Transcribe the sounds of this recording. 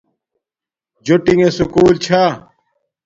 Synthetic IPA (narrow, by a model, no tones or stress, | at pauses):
d͡ʑoʈiŋesukuːlt͡ɕʰa